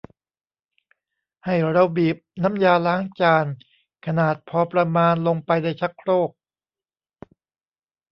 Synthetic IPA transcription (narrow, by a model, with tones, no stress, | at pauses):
ha˥˩jɾa˧bi˨˩p̚na˦˥mjaː˧laː˦˥ŋt͡ɕaː˧n | kʰa˧naː˨˩t̪̚pʰɔː˧pɾa˧maː˧nlo˧ŋpa˧jda˧˥˩jt͡ɕʰa˦˥kʰɾoː˥˩k̚